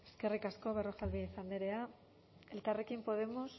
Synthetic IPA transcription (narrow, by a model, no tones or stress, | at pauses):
eskerikaskoβeroxalβieθand̪e̞ɾea | elk̪arekimpo̞ðe̞mos